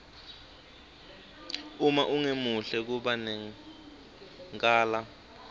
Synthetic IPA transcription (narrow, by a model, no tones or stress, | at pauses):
umaʔuŋemuɬɛk̬uɓanɛ | ŋkʼaːla